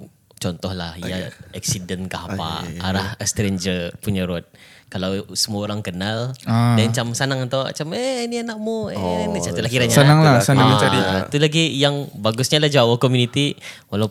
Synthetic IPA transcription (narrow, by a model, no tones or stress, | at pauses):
t͡ʃɔnt̪ɔhlahjaɛk̚sidənkahapa̰a̰ɾahəst̪ɾend͡ʒəpuɲaɾɔt̪̚ | kalawsəmuaoɾaŋkənaldant͡ʃamsanaŋənt̪oa̰t͡ʃameniənaʔmoenit͡ʃat̪uʔlahkiɾaɲaanaŋlasəaait̪ulaɡijaŋbaɡʊsɲalahd͡ʒawəhkɔmjunit̪iwala